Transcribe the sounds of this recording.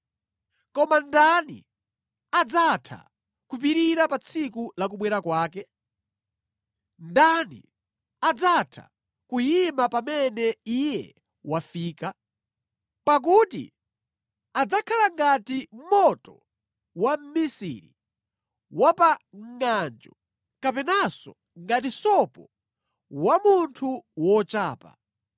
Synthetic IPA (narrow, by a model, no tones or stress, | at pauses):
kɔmandanḭ | ad͡zatʰa̰ | kupiɾiɾapat͡sʰikulak̬uɓwɛɾakwaːkɛ | ndanḭ | ad͡zatʰa̰ | kujimapamɛnɛijɛ | wafiːka | pak̬utḭ | ad͡zakʰalaŋɡatim̩mɔtɔ | wam̩misḭɾi | wapaŋŋand͡ʒɔ | kapɛnasɔ | ŋɡat̬isɔpɔ | wamuntʰuwɔt͡ʃaːpa̰